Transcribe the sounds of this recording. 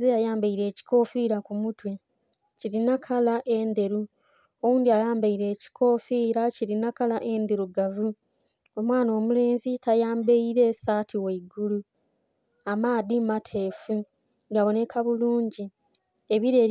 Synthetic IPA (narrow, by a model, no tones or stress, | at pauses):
zejajaːmbaiɾe̞ːci̥ko̞ːfiːɾakumutwe | ciɾinakʰalaʔe̞nd̪e̞ɾu | owuːndiajaːmbaiɾe̞ːci̥kʰo̞fiːɾaciɾinakalaʔe̞nd̪eɾuɡavu | o̞mwaːno̞ːmule̞ːnzitajaːmbeiɾe̞saːtʰiweiɡulu | amaːdimatʰe̞ːfu | ɡaβo̞ne̞kʰaβuluːɲɟi | eβiɾe̞ː